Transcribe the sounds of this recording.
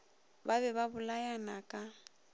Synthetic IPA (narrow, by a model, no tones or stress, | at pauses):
baβɛβabʊlajanakʼa